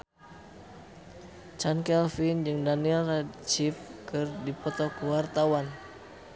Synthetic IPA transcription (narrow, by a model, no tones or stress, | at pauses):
t͡ʃankɛlfind͡ʒɨŋdanilrat͡ʃifkɨrdipɔt̪ɔkwart̪awan